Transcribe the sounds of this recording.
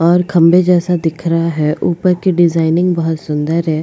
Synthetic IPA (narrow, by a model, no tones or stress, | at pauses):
ɔːɾkʰɐ̃mbed͡ʒɛːsad̪ɪkʰɾaɦaɦɛʔuːpəɾkeɖɪzaːɪnɪ̃ŋɡbɐɦʊt̪sʊ̃nd̪əɾɦɛː